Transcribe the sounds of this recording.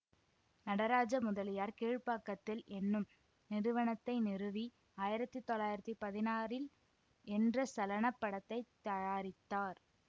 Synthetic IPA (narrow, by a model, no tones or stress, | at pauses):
nɐɽɐɾaːd͡ʒɐmʊðɐlɪjaːɾkeːɻpaːkːɐt̪ːɪlʔɛnːɯm | nɪɾɯʋɐɳɐt̪ːɐɪnɪrɯʋi | aːjɪɾɐt̪ːɯt̪ːɔlaːjɪɾɐt̪ːɯpɐðɪnaːɾɪl | ɛndrɐsɐlɐnɐpːɐɽɐt̪ːɐɪt̪ːɐjaːɾɪt̪ːaːɾ